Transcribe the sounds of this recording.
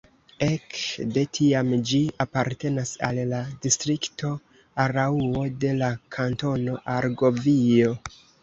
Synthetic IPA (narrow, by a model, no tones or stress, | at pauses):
ekde̞tʰiamd͡ʒiapaɾte̞nasa̰lːadistɾikto̞ | aɾauode̞lakʰanto̞no̞ʔaɾɡo̞vio̞